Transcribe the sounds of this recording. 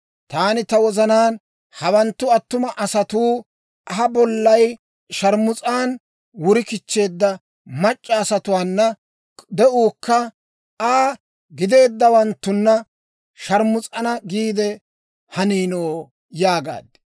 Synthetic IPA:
t̪aːnɪt̪ɐwɔzɐnaːn | hɐwɐnt̪ːʊɐt̪ːʊmɐʔɐsɐt̪uː | ʔɐɦɐbɔlːɐj | ʃɐɾmʊt͡sʼaːn | wʊɾɪkɪt͡ʃːe̞ːd̪ːɐ | mɐt͡ʃʼːɐːsɐt̪ʊwaːnːɐ | d̪ɛʔuːkːɐ | aː | ɡɪd̪e̞ːd̪ːɐwɐnt̪ːʊnːɐ | ʃɐɾmʊt͡sʼɐnɐɡiːd̪ɛ | hɐniːnoː | jaːɡa̰ːd̪ɪ̥

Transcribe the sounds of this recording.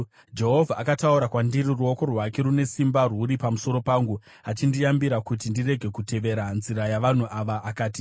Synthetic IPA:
d͡ʒe̞ɦo̞vʱaakatauɾakwandiɾiruo̞ko̞rwake̞ɾune̞simbaruɾipamuso̞ɾo̞paːŋɡu | at͡ʃindijambiɾakut̬indire̞ɡʱe̞kute̞ʋe̞ɾanziɾajaʋan̤uʔaʋaʔːkaːti

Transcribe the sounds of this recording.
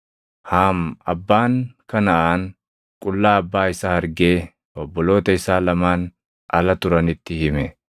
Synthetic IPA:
haːmɐbːaːŋkɐnɐʔaːn | kʼʊlːaːɐbːaːɪsaːhɐɾɡe̞ː | ɔbːɔlo̞ːt̪ɐɪsaːlɐmaːn | ɐlɐt̪ʊɾɐnɪt̪ːɪhɪmɛ

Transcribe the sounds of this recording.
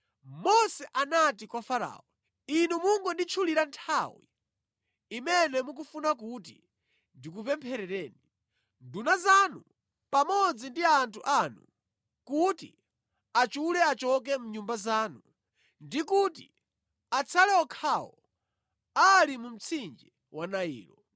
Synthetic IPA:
mɔsɛʔanatikwafaɾa̰ːɔ | inumuŋɡɔndit͡ʃʰuliɾantʰawḭ | imɛnɛmuk̬ufunak̬utḭ | ndik̬upɛmpʰɛɾɛɾɛːni | ndunazanu | pamɔd͡zindiantʰuʔanu | kutḭ | at͡ʃulɛat͡ʃɔk̬ɛmuɲumbazaːnu | ndikutḭ | at͡sʰalɛɔkʰawɔ | alimum̩t͡sʰind͡ʒɛ | wanaḭːlɔ

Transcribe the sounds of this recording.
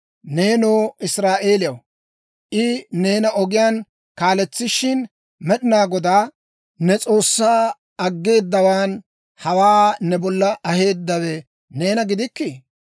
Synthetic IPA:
ne̞ːnoːɪsɾaːʔe̞ːlɪjɐw | ʔɪne̞ːnɐʔɔɡɪjaːn | kaːlɛt͡sːɪʃɪn | mɛɗɪnaːɡɔd̪aː | nɛt͡sʼo̞ːsːaː | ɐɡːe̞ːd̪ːɐwaːn | hɐwaːnɛbɔlːɐʔɐhe̞ːd̪ːɐwɛ | ne̞ːnɐɡɪd̪ɪkːɪ

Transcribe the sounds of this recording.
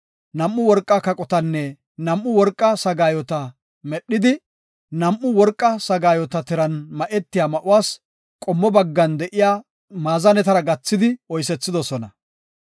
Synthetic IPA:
nɐmːʊwɔɾkʼːakɐkʼɔt̪ɐnːɛ | nɐmʔːʊwɔɾkʼːɐsɐɡaːjɔt̪ɐ | mɛɗːɪd̪ɪ | nɐmʔʊwɔɾkʼːɐsɐɡaːjɔt̪ɐt̪ɪɾɐnmɐʔɛt̪ːɪjaːmɐʔʊwaːs | kʼɔmːɔbɐɡːɐnd̪ɛʔɪjaː | maːzɐnɛt̪ɐɾɐɡɐt͡sːɪd̪ɪɔjs̬ɛt͡sːɪd̪ɔsɔnɐ

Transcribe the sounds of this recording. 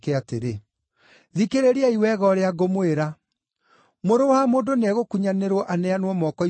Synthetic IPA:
keateɾe | ðikeɾeɾeaiwɛɣɔɾeaɡomweɾa | moɾowamoːndoneaɣokuɲaneɾwɔʔanɛanwɔmɔkɔ

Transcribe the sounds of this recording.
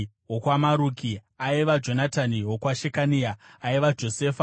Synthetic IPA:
wokwamaɾuːki | aiʋad͡ʒo̞nataniɦwokwaʃekaniaːiʋad͡ʒo̞seːfa

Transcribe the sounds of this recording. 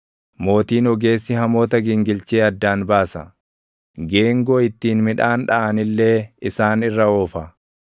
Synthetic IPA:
mo̞ːt̪iːnɔɡe̞ːsːɪhɐmo̞ːt̪ɐɡɪŋɡɪlt͡ʃeːɐd̪ːaːnbaːsɐ | ɡe̞ːŋɡoːɪt̪ːiːnmɪᶑaːnᶑɐʔɐnɪlːe̞ːɪsaːnɪrːɐoːfɐ

